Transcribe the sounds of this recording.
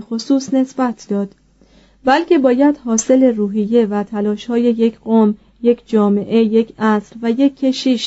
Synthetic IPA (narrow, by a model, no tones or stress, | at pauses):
xosuːsne̞sbæt̪ʰd̪̥ɒːd̪̥ | bælcʰe̞bɒːjæd̪̥hɒːse̞leruːɦijːe̞væt̪ʰælɒːʃhɒːje̞je̞cʰɢom | jecʰd͡ʒɒːme̞ʔe̞je̞cʰæsɾvæje̞kʰːe̞ʃiʃ